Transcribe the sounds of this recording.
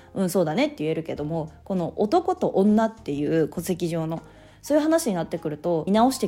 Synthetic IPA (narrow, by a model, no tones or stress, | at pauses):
ɯ̟̃ɴ̃so̞ːd̪ane̞t̪ːe̞jɯe̞ɾɯ̟ke̞d̪o̞mo̞ko̞no̞ʔot̪o̞ko̞t̪o̞ʔõnːat̪ːe̞jɯ̟ːko̞t͡sɨ̥ekʲiʑo̞ːno̞ | soːjɯ̟ɦanaɕiɲ̟inat̪ːe̞kɯ̟ɾɯ̟t̪o̞nao̞ɕi̥t̪e